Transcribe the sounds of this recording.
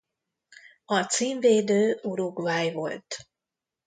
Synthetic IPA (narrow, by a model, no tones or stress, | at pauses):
ɒt̪siːɱveːd̪øːuɾoɡvaːjvo̞lt̪